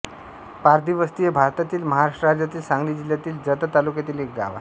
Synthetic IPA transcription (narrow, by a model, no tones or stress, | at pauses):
paɾd̪iʋəst̪ijebʱaɾt̪at̪iːlməɦaɾaʂʈəɾad͡ʑjat̪iːlsãŋɡliːd͡ʑiljat̪iːld͡zət̪ət̪alukjat̪iːlek̚ɡ̪a̰ʋa̰